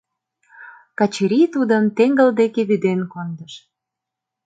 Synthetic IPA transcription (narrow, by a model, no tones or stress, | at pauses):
kɑt͡ɕiɾʲit̪ud̪əmt̪eŋɡəld̪ekeβyd̪enkond̪əʃ